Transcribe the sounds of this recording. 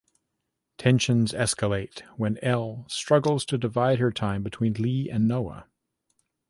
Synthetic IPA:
tʰɛ̃nʃɨ̃nzɛskəleɪtwɨ̃nɛlˠstɹ̥ʌɡl̩ˠz̥tʰɨdɨvaɪd̚ə˞tʰãɪ̃mbɨtʰw̥ĩnliɨ̃nːoʊə̰

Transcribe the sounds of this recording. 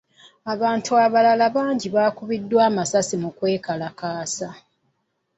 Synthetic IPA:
aβaːntuaβalalaβaːɲɟiβaːkuβidːwaːmasasimukwe̞ːkalakaːsa

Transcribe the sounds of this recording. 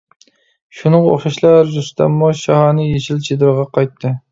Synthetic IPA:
ʃunəɴo̰χʃɑʃlˠɑɾʒust̪ɛ̰mːuʃɑhɑnɨjeʃilt͡ʃʰed̪ɾɨʁɑqʰɑjt̪ʰːɨ

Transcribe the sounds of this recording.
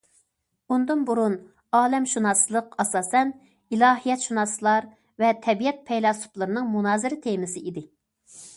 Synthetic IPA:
und̪ɨnbuɾun | ɑːlɛmʃunɑslˠəqɑsɑːsɛn | ilˠɑːɦijɛt̪ʃunɑslˠɑɾ | vɛt̪ʰɛbijɛt̪̚pʰɛjlˠɑsu̥plˠɨɾɨnɨŋmunɑːzɪɾɪt̪ʰemɪsɪid̪ɪ

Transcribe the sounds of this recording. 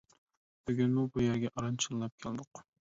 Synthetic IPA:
b̥yɡʲynmubujæɾɡʲɛʔɑɾɑnt͡ʃʰɨnˠɨlˠɑp̚kʲʰæld̪ʊq

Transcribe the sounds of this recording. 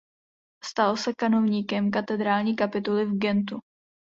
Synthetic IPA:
st̪alosɛkanovɲiːkɛmk̬at̪ɛd̪ɾaːlɲiːkapɪt̪ulɪvɡɛnt̪u

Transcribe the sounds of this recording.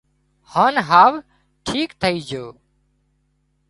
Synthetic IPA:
haːnɦaːʋ | ʈʰiːkt̪ʰəiːd͡ʒoː

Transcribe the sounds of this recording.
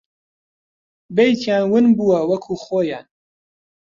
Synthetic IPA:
bejt̪ʰjaːnwɨnbuːwɐwɐkʰuːχoːja̰ːn

